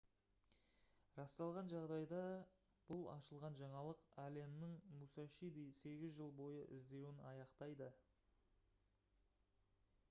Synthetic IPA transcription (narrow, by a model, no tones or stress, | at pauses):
ɾɑst̪ɑlˠʁɑnʒɑʁd̪ɑjd̪ɑ | b̥ʊlˠɑ̰ʃəlˠʁɑnʒɑɴɑlˠəqæle̞nːɪŋmusɑʃijd̪ejse̞ɡʲɪzʒəlˠbo̞jəʔɪ̰zd̪e̞wɪnɑjɑqt̪ɑjd̪ə